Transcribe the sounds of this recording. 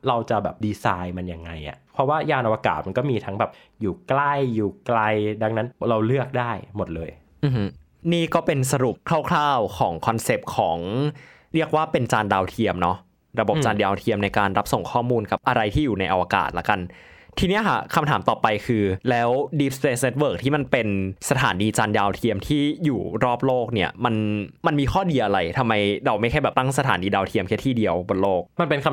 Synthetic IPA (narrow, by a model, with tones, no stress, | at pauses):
ɾa˧wt͡ɕa˨˩bɛː˨˩p̚diː˧saː˧jma˧nja˧˩ŋːa˧jʔa̰˨˩ʔpʰɾɔ˦˥waː˥˩jaː˧nʔa˧wa˧ka̰ː˨˩t̪̚ma˧nkɔː˥˩miː˧t̪ʰa˦˥ŋbɛː˨˩p̚ | juː˨˩kla˥˩jːuː˨˩kla˧jda˧ŋna˦˥nɾa˧wlɯ˥˩ək̚daː˥˩jmo˨˩t̪̚lɤː˧j | ʔɯ˨˧hɯ˦˥ | niː˥˩kɔː˥˩pe˧nsa˧ɾu˨˩p̚kʰla˥˩wkʰlaː˥˩wkʰɔː˩˦ŋkʰɔ˧nse˨˩p̚kʰɔː˩˦ŋ | ɾi˥˩ək̚waː˥˩pe˧nt͡ɕaː˧ndaː˧wt̪ʰi˧əmnɔ˦˥ | ɾa˧bo˨˩p̚t͡ɕaː˧ndaː˧wt̪ʰi˧əmna˧jkaː˧nɾa˦˥p̚so˨˩ŋkʰɔː˥˩muː˧nka˨˩p̚ʔa˧ɾa˧jt̪ʰiː˥˩juː˨˩na˧jʔa˧waː˧ka̰ː˨˩t̪̚la˦˥ka˧nt̪ʰiː˧ni˦˥ɐkʰa̰˥˩kʰa˧mt̪ʰaː˩˦mt̪ɔː˨˩pa˧jkʰɯː˧lɛː˦˥wdiː˦˥p̚spe˧˥sne˦˥t̪̚wɤː˥˩k̚t̪ʰiː˥˩ma˧npe˧nsa˧t̪ʰa̰ː˩˦niː˧t͡ɕaː˧ndaː˧wt̪ʰi˧əmt̪ʰiː˥˩juː˨˩ɾɔː˥˩p̚loː˥˩k̚ni˥˩ɐma˧nma˧nmiː˧xʰɔː˥˩diː˧ʔa˧ɾa˧jt̪ʰa˧mːa˧jɾa˧wma˥˩jxʰa˥˩jbɛː˨˩t̪a˥˩ŋs̬a˧t̪ʰaː˩˦niː˧daː˧wt̪ʰi˧əmkʰɛ˥t̪ʰiː˥˩di˧əwbo˧nloː˥˩k̚ma˧npe˧nkʰa˧